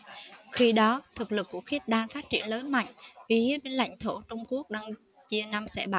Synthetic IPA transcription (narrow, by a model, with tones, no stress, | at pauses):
xi˧ɗɔ˨˦t̪ʰɨ˨˩k̚lɨ˨˩kːṵ˧˩əxi˦˥t̚ɗaː˧ŋfaː˦˥t̚t͡ɕḭ˧˩ənləː˨˦jma̰˧˨jŋ̟vʔi˨˩hi˨˦˥əɓe˧nla̰˧˨jŋ̟t̪ʰo˧˩t͡ɕʊ˧wŋ͡mku˦˥ək̚ɗaː˧ŋ | t͡ɕi˧əna˧msɛ̰˧˥ɓaː˧˨